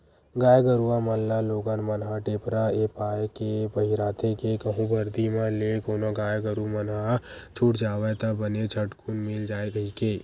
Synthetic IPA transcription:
ɡaːjɡəɾuaməlːaloːɡanmənɦaʈeːpɾaepaːjekebəɦiɾaːt̪ekekəɦũbəɾd̪imãlekoːnoɡaːjɡəɾumənɦat͡ʃʰuʈd͡ʒaːʋɛt̪ɐbənet͡ʃʰəʈkʰunmɪld͡ʒaːeɡəɦike

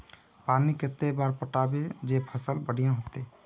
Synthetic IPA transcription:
paniket̪ːebaɾpəʈabed͡ʒepʰəsəlbəɽ̤ijãɦot̪e

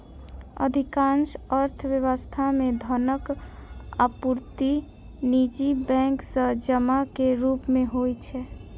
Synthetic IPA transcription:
ə̰d̪ʱikãnʃəɾt̪ʰəʋjəwəst̪ʰamẽd̪ʱənək | a̰puɾt̪i | nid͡ʒibɛ̃ŋksəd͡ʒəmakeɾupmeɦojt͡ʃʰɛ

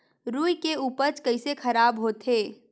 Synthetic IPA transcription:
ɾuːjkeuːpəɾt͡ʃkəɪsekʰɐɾaːbɦoːt̪ʰeː

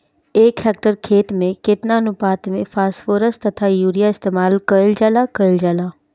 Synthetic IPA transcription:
eːkʰɛːk̚ʈəɾkʰeːt̪mẽkɪt̪nanʊpaːt̪mẽfaːsfoːɾəst̪ɐt̪ʰajuːɾijaɪst̪eːmaːlkəld͡ʒaːlakəld͡ʒaːlaː

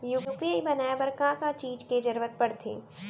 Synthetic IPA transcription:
juːpiibɐnaːjabɐɾkãkat͡ʃiːd͡ʒked͡ʒɐɾʋət̪̚pɐɽt̪ʰḛː

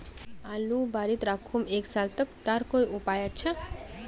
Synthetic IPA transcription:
alubaɾit̪ɾakʰumeksalt̪ək̚t̪aɾkojupajat͡ʃʰə

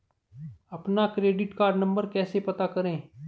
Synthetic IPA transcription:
əpnakɾeːɖɪʈkaːɾɖnə̃mbəɾkɛːsepɐt̪akəɾẽː

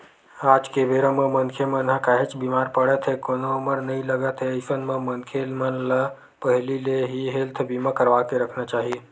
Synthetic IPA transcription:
aːd͡ʒkebeɾəmə̃mənkʰemənɦə̃kaɦet͡ʃbimaːɾpəɽət̪ɦekonoʊməɾnɐɦĩləɡət̪ɦeɪsənmə̃mənkʰelmənla | pəɦlileɦiɦelt̪ʰbiːmakəɾʋakeɾəkʰnat͡ʃaːɦie

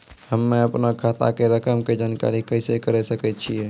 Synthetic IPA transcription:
həmːeəpnakʰat̪a̰keɾəkəmked͡ʒaːnka̰ɾikəɪsekəɾɛsəkɛt̪̚t͡ʃʰijɛ

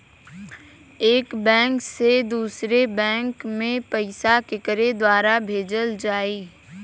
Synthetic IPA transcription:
eːkbɛ̃ːŋksed̪uːsɾebɛ̃ːŋkmẽpəɪsakɪkəɾed̪waːɾabʱeːd͡ʒəld͡ʒaːiː

